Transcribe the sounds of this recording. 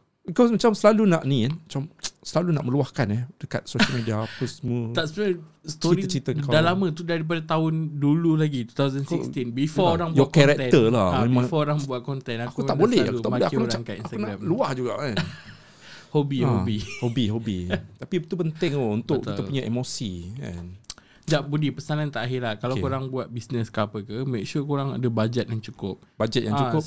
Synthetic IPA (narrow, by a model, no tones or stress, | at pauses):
bikɔsmat͡ʃamsəlalunaʔnianmat͡ʃamsəlalunaʔmə̃luahkanɛdəka̰t̪̚soəlmediapəsəmuət̪asst̪ɔiɾiət͡ʃit̪əŋkadalamãt̪udaɾip̬adat̪aʊndululaɡit̪u̥t̪awzənfist̪inbifɔɾaŋjɔkɛɾɛk̪̚əlahmẽmmãŋfɔɾaŋbuat̪̚kɔnt̪ɛnaakuaʔbolɛhakut̪aʔbblɛhakumakainakunamluahd͡ʒuɡa̰ʔa | hobihobihobiɦobit̪apit̪upənt̪ɪŋount̪ʊkt̪it̪apuɲaʔemosia̰n | d͡ʒaʔbudipəsanant̪aʔaɦɪlahkalawkoɾaŋbuat̪̚bisnəskapəkəmek̚ʃukoɾaŋa̰dəbad͡ʒɛt̪̚jaŋt͡ʃukʊp̚bad͡ʒɛt̪̚jaŋt͡ʃukʊ